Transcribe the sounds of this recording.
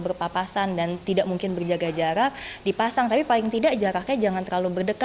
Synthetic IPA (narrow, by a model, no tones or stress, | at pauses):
bərpapasandant̪idaʔmuŋkɪnbərd͡ʒaɡad͡ʒaɾadipasaŋt̪apipalɪŋt̪idaʔd͡ʒaɾahkajad͡ʒaŋant̪ərlalubərdəka